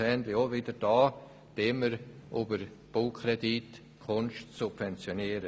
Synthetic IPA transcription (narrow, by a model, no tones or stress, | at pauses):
ɛnd̪lɪoʋɪdəɾd̥ɑː | d̥eːməɾʔubəɾb̥ʊlkʰɾɛdit | kʰʊnʃtsupvɛnt͡sjoniəɾə